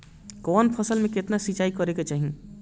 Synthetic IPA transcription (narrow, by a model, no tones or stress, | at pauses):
kɔːnpʰəsəlmẽkɪt̪nasit͡ʃaːikɔɾeːɡat͡ʃaːɦiẽ